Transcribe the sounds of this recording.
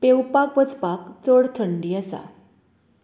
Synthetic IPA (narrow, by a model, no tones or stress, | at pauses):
pewpakʋət͡spakt͡səɽt̪ʰəɳɖiːəsa̰